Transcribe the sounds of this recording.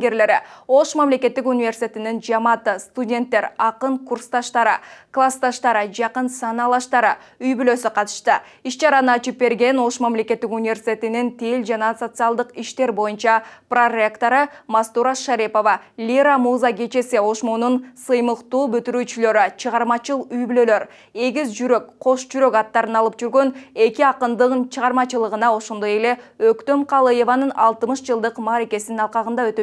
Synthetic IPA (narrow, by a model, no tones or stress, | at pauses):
ɡeɾle̞ɾio̞ʃmamle̞kʲe̞t̪ːikunʲɪvʲersʲi̥t̪ʲet̪inind͡ʒɑmɑt̪ɯst̪udʲe̞nt̪ːe̞ɾɑqɯɴkurst̪ɑʃt̪ɑɾɯ̰klˠast̪ɑʃt̪ɑɾɯd͡ʒɑqənsɑnɑlˠɑʃt̪ɑɾɯ | yjbylø̞syqʰɑt̪ɯ̥ʃt̪ɯ | iʃt͡ʃɑɾɑnɯɑt͡ʃɯp̚be̞ɾɡʲe̞no̞ʃmamle̞kʲe̞t̪ːikunʲɪvʲe̞rsʲi̥t̪ʲe̞t̪inint̪ʰeld͡ʒɑnɑso̞t̪sɨɑlˠd̪əqiʃt̪e̞ɾbo̞junt͡ʃɑpro̞rʲekt̪o̞ɾɯmast̪uɾɑʃaɾipo̞vɑlʲiɾamuzɑɡe̞t͡ʃe̞sio̞ʃmonunsɯjməqt̪uːbyt̪yɾyːt͡ʃylø̞ɾit͡ʃʰəʁɑɾmɑt͡ʃɯlˠyjbylø̞lø̞ɾ | e̞ɡʲizd͡ʒyɾø̞kqʰo̞ʃd͡ʒyɾø̞kɑt̪ːɑɾɯnɑlˠɯpd͡ʒyɾɡø̞ne̞kʲiɑqɯnd̪ɯʁɯnt͡ʃʰəʁɑɾmɑt͡ʃɯlˠəʁɯnɑo̞ʃo̞nd̪oje̞le̞økt̪ø̞mqʰɑlˠɯje̞vanɯnɑlˠt̪mɯʃd͡ʒɯlˠd̪ɯqmɑːɾe̞ke̞sininɑlˠqɑʁɯnd̪ɑøt̪ø